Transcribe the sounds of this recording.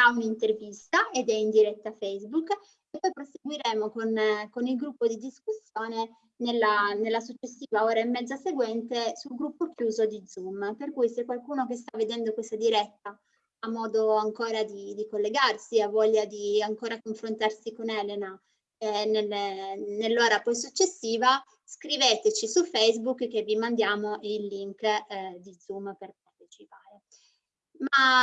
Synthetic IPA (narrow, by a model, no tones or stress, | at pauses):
aunint̪ervist̪aʔed̪ɛind̪iɾɛt̪ːafɛjzbuk | epːɔjpɾoseɡwiɾeːmokonkonilɡɾupːod̪id̪iskusːjɔːne | nelːanelːasut͡ʃːesːiːvaɔːɾaemːɛd̪zaseɡwɛnt̪esulɡɾupːokjuːzod̪id̪zumperkujsɛkːwalkuːnokes̬t̪avːed̪ɛnd̪okwest̪ad̪iɾɛt̪ːaː | mːɔːd̪oaŋkoːɾad̪id̪ikolːeɡarsiavɔʎːad̪iaŋkoːɾakoɱfɾont̪arsikonɛːlena | ɛnelnelːɔːɾapɔjs̬ut͡ʃːesːiːva | skɾiveːt̪et͡ʃisufejzbukːkːevːimand̪jaːmoʔeilːiŋkd̪id̪zumperpart̪e̥t͡ʃipaːɾe | ma